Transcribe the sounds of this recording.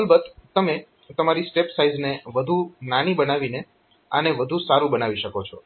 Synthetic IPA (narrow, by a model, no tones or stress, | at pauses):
lbəd̪t̪əme | t̪əmaɾisʈepsaizneʋəd̪ʱunañibənaʋine | ə̰neʋəd̪ʱũsaɾũbənaʋiʃəkot͡ʃʰɔ̰